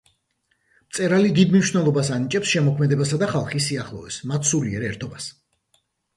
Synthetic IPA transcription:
mt̪sʼɛɾalid̪id̪mniʃwnɛlˠɔbasanit͡ʃʼɛpsʃɛmɔkʰmɛd̪ɛbasad̪aχalˠχisːiaχlˠɔɛsmat̪ʰsuliɛɾɛɾt̪ʰɔbas

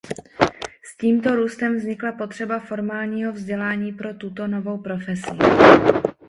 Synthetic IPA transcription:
sciːmt̪o̞ɾuːst̪ɛmvzɲɪklapo̞t̪r̝̥ɛbafo̞ɾmaːlɲiːɦo̞vzɟɛlaːɲiːpɾo̞t̪ut̪o̞no̞vo̞wpɾo̞fɛsɪ

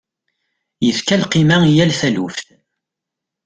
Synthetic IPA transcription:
jəθkælqimaijælθælufθ

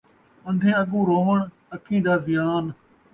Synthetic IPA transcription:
ə̃nd̪ʱẽːəɠũːɾoːʋəɳ | əkʰĩːd̪aːzɪjaːn

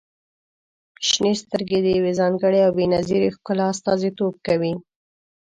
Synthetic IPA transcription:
ʃnest̪əɾɡed̪əjawezɑŋɡəɽeawbenaziɾexkʊlːst̪ɑzit̪ob̚kawi

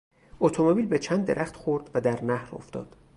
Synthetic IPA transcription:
ot̪ʰomobiːlbet͡ʃʰænd̪ːeɾʔæxt̪χoɾd̪væd̪æɾnæhɾo̰ft̪ɒ̰ːd̪̥

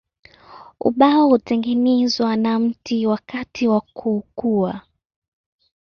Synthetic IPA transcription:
ṵɓaɔhutɛŋɡɛnɛzwanam̩tʰiwakatʰiwakʰuːkua

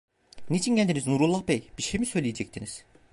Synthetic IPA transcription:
nit͡ʃʰincænd̪iniznuɾulˠːahbejb̥iɾʃejmisø̞jlʲijed͡ʒɛct̪ʰiniz̥

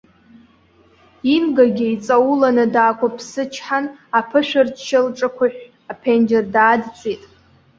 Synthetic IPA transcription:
inɡaɡʲiit͡sʼawulanɨdaːkʷʰapʰsɨt͡ʃʰħanapʰɨʃᶣɪrt͡ʃʰɪlʈ͡ʂʼakʷʰaħᶣʷ | apʰend͡ʒɪrdaːdt͡sʼitʼ

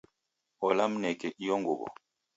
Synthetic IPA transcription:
ɔlam̩nɛkɛʔijɔŋɡo̰bɔ̰

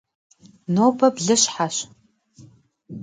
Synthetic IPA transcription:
noːbɐbɮɨɕħaɕ

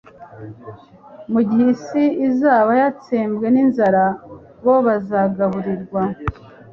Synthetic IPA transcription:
muɟihisiizaːβajat͡seːmbɡe̞ninzaɾa | βo̞βazaːɡaɦuɾiɾɡwa

